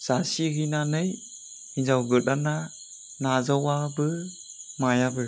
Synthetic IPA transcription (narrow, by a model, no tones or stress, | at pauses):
z̥asiɡinanɯj | inzawɡɯɗana | nazawabɯ | majabɯ